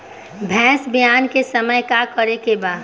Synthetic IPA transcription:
bʱɛ̃ːsbijaːnkesəməjkakəɾekebaːd̪

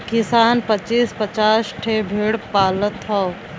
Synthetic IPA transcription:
kɪsaːnpət͡ʃiːspət͡ʃaːsʈʰebʱeɽpaːlət̪ɦɔː

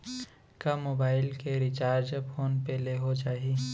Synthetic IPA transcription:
kamoːbaːɪlkeɾɪt͡ʃaːɾd͡ʒpʰoːnpɛleɦod͡ʒaːɦi

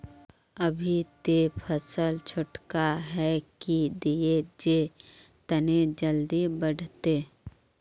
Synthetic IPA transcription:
əbʱit̪epʰəsəlt͡ʃʰʊʈkaɦɛkid̪ied͡ʒe | t̪əned͡ʒəld̪ibəɽ̤t̪eː

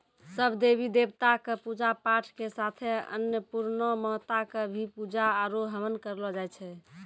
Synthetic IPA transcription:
səbd̪ebid̪ebt̪akəpud͡ʒapaʈʰkesat̪ʰeə̰njəpuɾnɔmɔt̪akəbʱipud͡ʒaːɾoɦəmənkəɾlɔd͡ʒajt͡ʃʰɛ

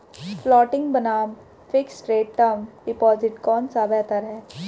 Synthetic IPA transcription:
flɔːʈɪ̃ŋɡbɐnaːm | fɪksʈɾeːʈʈəmɖɪpɔːzɪʈkɔːnsabɛːt̪əɾɦɛː

